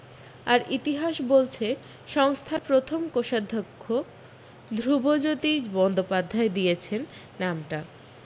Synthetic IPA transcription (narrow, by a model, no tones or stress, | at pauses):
aɾit̪iɦaʃbolt͡ɕʰe | ʃɔŋst̪ʰapɾot̪ʰomkoʃad̪ʱːokʰːo | d̪ʱɾubod͡ʑot̪ibɔnd̪opad̪ʱːaed̪ijet͡ɕʰenː | amʈa